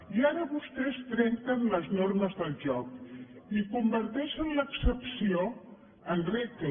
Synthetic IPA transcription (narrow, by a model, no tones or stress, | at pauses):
iaɾəβust̪ɛst̪ɾɛŋt̪ənləznoɾməzðəlˠʒɔkikumbəɾt̪ɛʃənləksəpsio | ənrik